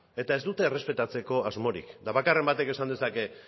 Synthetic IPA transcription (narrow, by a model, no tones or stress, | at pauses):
e̞t̪ae̞zd̪ut̪e̞ːre̞spe̞t̪at͡se̞ko̞azmo̞ɾḭkd̪aβakare̞mbat̪e̞ke̞sand̪e̞sake